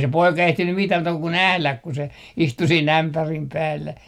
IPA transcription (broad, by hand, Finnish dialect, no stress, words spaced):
se poikɑ ehtinym mitæh muːtɑ ku næhlæk ku se istu siːnˑ æmpærim pæːlːæ